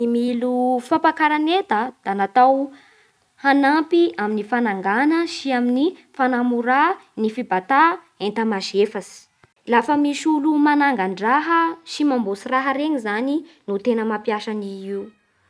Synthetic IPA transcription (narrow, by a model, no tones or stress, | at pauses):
imilufampakaɾanet̪əd̪̥anat̪aw | hanampiaminifanaŋɡanəʃiaminifanamuɾanifibat̪a | ent̪əmazefasi̥ | lafəmiʃulumanaŋɡaɳɖ͡ʐaɦəʃimambosiraɦəɾeɲizaninut̪enəmapjaʃaniiu